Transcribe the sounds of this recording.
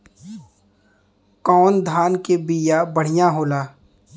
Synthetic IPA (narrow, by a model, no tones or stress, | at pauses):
kɔːnd̪ʱaːnkebiːjabəɽ̤ɪjãɦoːlaː